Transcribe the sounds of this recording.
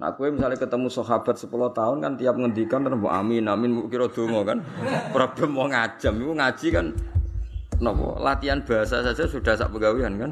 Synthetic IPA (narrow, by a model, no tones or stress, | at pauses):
na̰kuwemisalɪkət̪əmusɔɦab̥a̤t̪̚səpulɔht̪aʊnkant̪ijap̚ŋənd̪ikant̪əɾbɔʔa̰minaminukiɾɔd̪̥o̤ŋɔkanpɾab̥əmɔɔŋḁʒ̥a̤mikuŋḁʒ̥ikan | nɔpɔ̰la̰t̪ianb̥a̤asasḁd͡ʒ̥asud̥a̤sa̰ʔpəɡaweankan